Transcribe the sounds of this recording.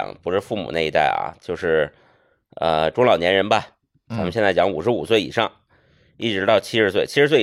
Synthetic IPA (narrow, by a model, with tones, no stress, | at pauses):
ŋpu˨˩ʂɻ̩˥˧fu˥˩mṵ˨˩na˥˩ɪi˧t̪a̰˥˩ɪɐ̰˩t͡ɕjo˥˧ʊʂɻ̩˥˩ | ə̰˧ʈ͡ʂʊ˥ŋlɑ˨˩ʊnjɛ˧˥nɻə˧˥nbɐ˧ | t͡sʰa˧˥mə˧ɕjnt͡sa˥˩ɪjɑ˧˥ŋu˨˩ʂɻ̩˧˥u˨˩swe˥˩ɪḭ˨˩ʂɑ˥˩ŋ | i˥˩ʈ͡ʂɻ̩˧˥t̪ɑ˥˩ʊt͡ɕʰi˥ɻ̩˧˥s̬we˥˩ɪt͡ɕʰi˥ɻ̩˧˥swe˥˩